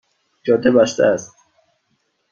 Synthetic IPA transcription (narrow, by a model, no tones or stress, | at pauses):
d͡ʒɒːd̪ʰebæst̪æ̰æst̪